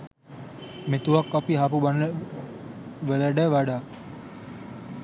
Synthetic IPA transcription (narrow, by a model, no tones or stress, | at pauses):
met̪uʋakːapiɦapuban | ʋələɖɛʋaɖaː